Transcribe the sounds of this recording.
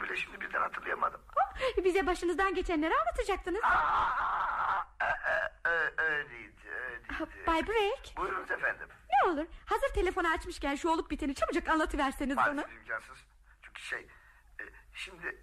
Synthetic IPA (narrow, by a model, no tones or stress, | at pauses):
bilʲɛʃimd̪ibiɾd̪æ̰nhat̪ʰɯɾlˠajamad̪ɯmbizɛbaʃɯnɯzd̪anɟe̞t͡ʃʰænlʲeɾianlˠat̪ʰad͡ʒak̚t̪ɯnɯz | ɛ | øjlejid̪iødabajbɾecbujɾunuzefænd̪imneo̞lˠuɾhazɯɾt̪ʰe̞lʲe̞fonaːt͡ʃmɯʃcænʃuo̞lˠup̚bit̪ʰenit͡ʃʰamɯd͡ʒakanlˠat̪ʰɯvæɾsinizaonuibid͡ʒamsɯnz | t͡ʃʰyɲcʰi̥ʃḛj | ɛʃimd̪ɪ